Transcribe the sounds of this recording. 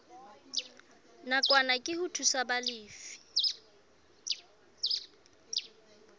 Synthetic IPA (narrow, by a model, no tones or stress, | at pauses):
nakʼwanakʼɪhʊtʰusabalɪːfi̥